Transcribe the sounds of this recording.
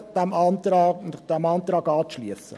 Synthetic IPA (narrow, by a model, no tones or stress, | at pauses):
d̥æmɑːntɾɑːnd̥æmɑːnt̪ɾɑːɡɑːt͡sʃliəsə̰